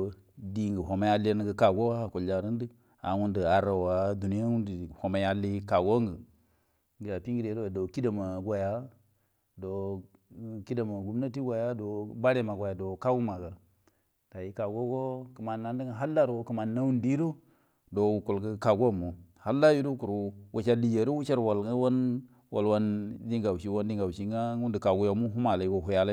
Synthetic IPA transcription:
di˨ŋɡə˨ɦo˨ma˨˦ja˦li˦n˦ɡə˦ka˨ɡo˦wa˦˨ku˨ld͡ʒa˨ɾi˦n˦di˦ | a̰˨wu˦ndi˨a˨ɾa˨wa˨˦du˨ni˦ja˦wu˦ndi˨ho˨ma˨˦ja˦lːi˦ka˨ɡo˦ŋɡə˨ | ŋɡi˨ja˨pi˦ŋɡi˦de˨˦ɾo˦a˨do˨ki˦da˨ma˨ɡʷa˨ja˦ | do˨ | ki˦da˨ma˨ɡu˨m˦na˦ti˦ɡʷa˨ja˦do˨ba˦ɾe˦˨ma˨ɡʷa˨ja˨do˨ka˦wu˦ma˨ɡa˨ | ta˨ji˨ka˨ɡo˦ɡo˦ki˨ma˨nːa˨n˦di˦ŋa˨ɦa˦lːa˦ɾo˨˦kə˨ma˨nːa˦wu˦ndi˦ɾo˦ | do˨u˨ku˨lɡə˦ka˨ɡu˦a˦mo˨ha˦lːa˦ju˦ɾu˦ku˨ɾwʔa˨t͡ʃa˦ɾdi˨d͡ʒe˨ɾo˦wu˦t͡ʃa˦ɾwa˨la˦wa˦n | wa̰˨lwa˦ndi˦ŋɡa˨wʃi˦wa˦ndi˦ŋɡa˨u˨ʃi˦ŋa˦u˦ndi˨ka˨ɡu˦ja˨˦mu˦ɦu˦ma˨la˨ɡo˨ɦu˨ja˦la˦

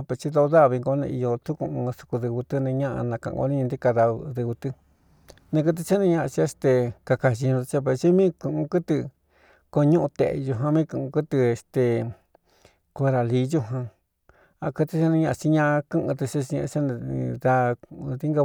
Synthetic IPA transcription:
pe˧t͡ʃi˦ðo˧o˧ða˦˨βi˧ŋɡo˧˦nḛ̃˧i˧jo˧t̪u˦kũ˧ʔũ˧su̥˧ku˧ðɨ˧βu˧t̪ɨ˦nẽ˧ɲã˦ʔã̰˧nã˧kã̰˧˨˧ɡo̰˧nĩ˦ɲã˧d̪i˦ka˧ða˧ðɨ˧βu˧t̪ɨ˧ | nẽ˧kɨ˧t̪̬i˧t͡ʃa˦nẽ˧ɲã˦˧ʔa˧t͡ʃi˧e˧st̪e˧ka˧ka˨ʃi˧ɲũ˧t̪t͡ʃa˦p̬e˧t͡ʃi˦mĩː˦kũ˧ʔũ˧kɨ˦t̪ɨ˧ | ko˧ɲũ˦ʔũ˧t̪ḛ˨ḛ˧ju˧ɦã˧mĩ˦kũ˧˨ũ˧kɨ˦t̪ɨ˧e˧st̪e˧ | ko˧e˧ɾa˨li˨˦ju˦ɦã˧ | a˧kɨ˧t̪i˧ʃa˦˧nĩ˧ɲã˧ʔa˧t͡ʃi˧ɲã˦a˧kɨ̃˦ʔɨ̃˧t̪ɨ˧t͡ʃi˦t͡ʃi˧ḛ̃˧t͡ʃa˦ñ˧ða˧ði˦ŋɡa˧

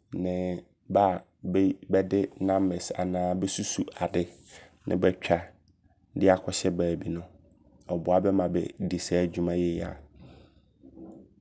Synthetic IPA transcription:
nɪ̃˨ | ba˦˨ | bbɛ˦dɪ˦nã˦mɛ˨sa̰˨nãː˦bɛ˦su˦su˨a˨dɪ˦nʔɪ̰̃˦bɛ˦t͡ɕᶣa˨ | dɪ˦a˨kʰɔ˦ɕɛ˦baː˨bi˨nʊ̃˦ | ɔ˨bʊ˨a˨bɛ˦mã˨bɛ̰˨di˨sa˦˨d͡ʑᶣu˦mã˦je˦ja̰˨

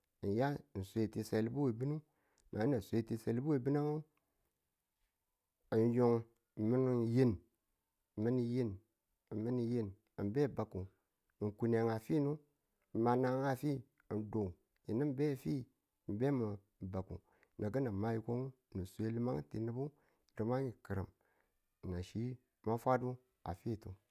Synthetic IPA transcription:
n˨ja˦˨n̩˨sʷe˨ti˨se˨li˦bu˦we˨bi˦nu˦ | nʔa˨˦na˨sʷe˨˦ti˨se˨li˦bu˦we˨bi˦na˦ŋo˦˨ | njo˨ŋ̩˨ | mi˦n˨ji˦n˨ | mi˦ni˨ji˦n˨ | mi˦ni˨je˦n | i˨mbe˦˨ba˨ku˨ | ŋ̩˨ku˨ne˨ŋa˨fi˦nu˦˨ | ma˨na˨ŋa˨fi˦˨ | do˨ | ji˨ni˦m˦be˦˨fi˦˨ | m˨be˦mə˨ | ba˨ku˨ | na˨ɡə˦na˨ma˦ji˨ko˦ŋ˦˨nu˨sʷe˦li˦ma˦ŋ˦ti˨ni˦bu˦˨ | ɾi˨ma˦i˨kə˨ɾə˨m˨ | na˨ʃi˦ | ma˦fʷa˦dbu˦ | a̰˨fi˦˨tu˨

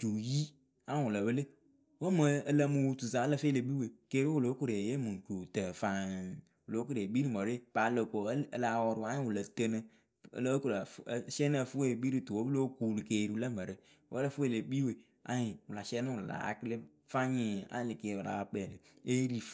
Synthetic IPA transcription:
t͡ʃu˨ji˦ | ã˦˨wu˨lə˨bə˦le˦ | wo˦mə˨ə˨lə˦mu˨wu˨tu˨sa˨˦lə˦fe˦le˨bi˦we˨ke˦ɾi˦wu˦˨lo˨˦ku˦˨ɾe˨je˦mɨ˨ŋ˨ko˨tə˨fa˨ | wu˨lo˨˦ku˦ɾbi˦ɾi˦˨mo˨ɾe˦pa˨˦lo˨ko˨˦˨la˨wɔ˨ɾʊ˨a˦ɪ̃˦˨wu˨lə˨tə˦nə̰˦˨ | lko˨la˨˦ʃɛ˦na˦˨fu˦e˦˨bi˦ɾi˦˨tu˨wo˦bɨ˦o˦ku˨lɨ˨ke˨ɾi˨˦u˦lə˦mə˨ɾɨ˦ | wʔo̰˦lə˦fu˦e˨le˨bi˦we˨ | a̰˦hɪ˨wʊ˨la˨ʃɛ˦nɨ˦wu˨a̰˨la̰˨kɨ˦lɪ˦ | fa˦ɲi˨a̰˦˨lɪ˨ke˨wu˨la̰˨˦k͡pɛ˨lɨ˨e˦ɾi˨

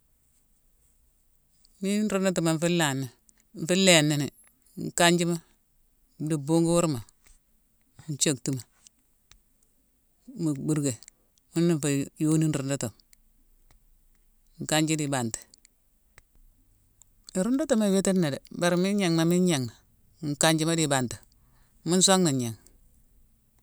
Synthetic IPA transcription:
mi˦n˦ɾu˦ndo˦tu˨ma˨ɱ̩˦fi˦lːa˨nːi˨ | ɱ̩˨fi˦lːe˨nːi˦ni˨ | ŋ̩˨ka˦ɲd͡ʒi˦ma˦˨ | di˨bu˦ŋɡu˦wu˦ɾma˨ | n˦t͡ʃo˦˨ktu˦ma˨ | mu˨bu˦ɾɡe˨ | mi˦nːi˦˨fa˨jo˦ni˦n˦ɾu˨ndo˦to˨m˨ | ŋ̩˨ka˦ɲd͡ʒi˦di˨ba˨nti̥˨ | ɾu˦ndo˦to˦˨ma˨we˦te˦ne˨de˨ba˨ɾmi˦ɲa˨ŋma˨mi˦ɲa˨ŋma˨˦ | ŋ˨ka˦ɲd͡ʒi˦ma˦di˨ba˨nti˨ | mi˦n˦so˦ŋni˨ɲa˨ŋ

